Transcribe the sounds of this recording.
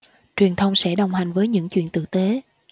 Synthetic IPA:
t͡ɕwi˨˩ənt̪ʰə˧wŋ͡msɛ̰˧˥ɗə˨˩wŋ͡mɦa˨˩jŋ̟vəː˨˦jɲɨ̰˧˥ŋt͡ɕwḭ˧˨ənt̪ɨ̰˧˨t̪e˨˦

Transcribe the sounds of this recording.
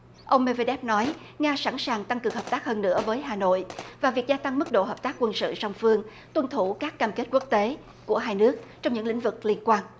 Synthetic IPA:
ʔə˧wŋ͡mme˧ve˧ɗɛ˦˥p̚nɔ˨˦j | ŋaː˧sa˧˩nsaː˨˩ŋt̪a˧ŋkɨ˨˩ŋhəː˨˩p̚t̪aː˦˥k̚həː˧nːɨ̰˧˥əvəː˨˦jɦaː˨˩no̰˧˨jvaː˨˩vi˨˩ək̚zaː˧t̪a˧ŋmɨ˦˥k̚ɗo̰˧˨ɦəː˨˩p̚t̪aː˦˥kːwə˧nsɨ̰˧˨sa˧wŋ͡mfɨ˧əŋ | t̪wə˧nt̪ʰu˧˩kaː˦˥kːaː˧mke˦˥t̚kwu˦˥ək̚t̪e˨˦ | ku˧˩əɦaː˧jnɨ˦˥ək̚t͡ɕɔ˧wŋ͡mɲɨ̰˧˥ŋlḭ˧˥ŋ̟vɨ˨˩k̚li˧ənkwaː˧n

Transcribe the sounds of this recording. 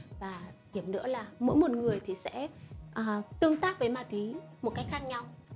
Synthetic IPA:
vaː˨˩hi˧˩əmnɨ̰˧˥əlaː˨˩mo̰˧˥jmo˨˩t̚ŋɨ˨˩əjt̪ʰi˨˩sɛ̰˧˥ʔəː˨˩t̪ɨ˧əŋt̪aː˦˥k̚vəː˨˦jmaː˧˩t̪wi˨˦mo˨˩t̚ka˨˦jk̚xaː˦˥k̚ɲa˧w

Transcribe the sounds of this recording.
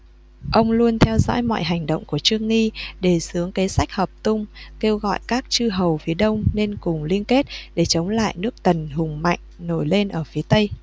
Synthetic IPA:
ʔə˧wŋ͡mlu˧ənt̪ʰɛ˧wzɔ̰ː˧˥jmɔ̰˧˨jɦa˨˩jŋ̟ɗə̰˧˨wŋ͡mku˧˩ət͡ɕɨ˧əŋːi˧ɗe˧˩sɨ˨˦əŋke˨˦sa˦˥jk̟̚həː˨˩p̚t̪ʊ˧ŋ͡mke˧wɣɔ̰˧˨jkaː˦˥k̚t͡ɕɨ˧ɦə˨˩wfi˨˦əɗə˧wŋ͡mne˧nkʊ˨˩ŋ͡mli˧ənke˦˥t̚ɗe˧˩t͡ɕə˨˦wŋ͡mla̰ː˧˨jnɨ˦˥ək̚t̪ə˨˩nhʊ˨˩ŋ͡mma̰˧˨jŋ̟no˧˩jle˧nʔəː˧˩fi˨˦ət̪ə˧j

